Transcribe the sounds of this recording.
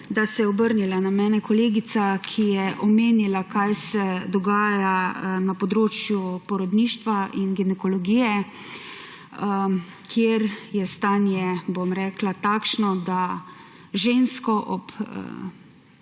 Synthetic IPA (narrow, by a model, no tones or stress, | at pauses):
d̪asɛjɛɔbəɾnilanamɛːnɛkɔleːɡisakʰijɛʔɔmeːnilakajsɛd̪ɔɡaːjanapɔd̪ɾoːt͡ʃjupɔɾɔd̪niːʃt̪ʋainɡinɛkɔlɔɡiːjɛ | kʰjeɾjɛst̪aːnjɛbomɾɛːklat̪aːkʃnɔd̪a | ʒeːnskɔʔɔp